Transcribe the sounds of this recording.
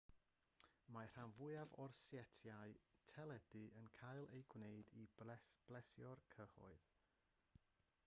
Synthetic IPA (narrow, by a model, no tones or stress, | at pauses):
mar̥anvʊjavɔrsjɛtʰjaɨtʰɛlˠɛd̥ɨʔənkʰajlˠejɡwneɨdiɛsb̥lɛsjɔrkʰəhɔ̰ɨð